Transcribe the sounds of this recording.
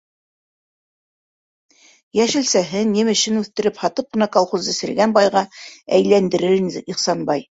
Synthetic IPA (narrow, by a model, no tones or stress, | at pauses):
jæʃɘ̆lsæɦɘnʲːimɘ̆ʃɘnʉθt̪ɘ̆ɾɘphɑt̪ɤp̚qɤ̆nɑkɑlˠχuzɘ̆sɘ̆ɾɡænbɑjʁɑæ̰jlænd̪ɘ̆ɾɘɾniχsɑnbɑj